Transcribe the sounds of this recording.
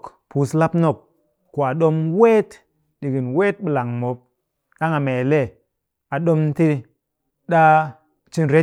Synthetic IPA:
kpu˨sla˦pno˦˨kː | o˨a˨ɗo˦mwe˦t | ɗi˨ɡi˨nwe˦t̚ɓi˨la˨ŋmo˨˦p̚ | ɗa˦ŋa˨me˨le˦ | a˨ɗo˦m˦ti˦ | ɗa˦ | t͡ʃi˦nɾe˦

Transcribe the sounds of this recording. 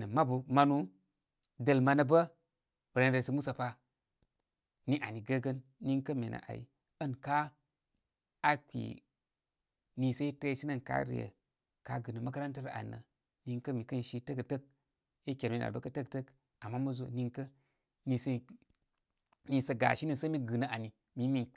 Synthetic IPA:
nə˨ma˦bu˨ma˧nu˦ | də˨lma˨nə˨bə˦ | bə˨ɾa˨n˦ə˨sə˨mu˦sa˨pa˦ | ni˦ʔa˨ni˨ɡə˦ɡə˦nːi˦ŋkə˦me˨na̰˨ʔa̰˨ḭ˨ | ə˦˨nka˦ | a˦kʷḭ˨ | ni˨sə˦i˦tə˦ʃi˦nə˦˨nka̰˦ɾḭ˨jə̰˨ | ka˦ɡɨ˨nə˨ma˦ka˦ɾa˦ntə˦ɾa̰˨nːə̰˨ | ni˦ŋkə˦mi˨kə˦nʃi˦tə˦kə˨tə˦k̚ | i˦kʲe˨ɾmi˨na̰˨bə˦kɐ˦tə˦ktə˦k | a˨mːa˦mɐ˦zo̰˨ni˦ŋkə˦ | ni˨sə˦ | ni˨˦sə˨ɡa̰˨ʃi˦ni˦˨sə˦mi˦ɡɨ˨nə˨ʔa˨ni˨ | mi˨˦mi˦n

